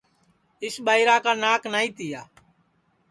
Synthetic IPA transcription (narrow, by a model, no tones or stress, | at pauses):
ɪsɓaːiːɾaːkaːnaːknaːĩːt̪ɪjaː